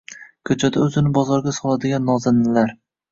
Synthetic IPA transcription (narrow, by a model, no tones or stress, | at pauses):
kʲʰɵt͡ʃʰad̪aɵzɪnɪbɒzɒɾɡʲasɒlˠad̪ɪɡʲanːɒzɪmnɪlaɾ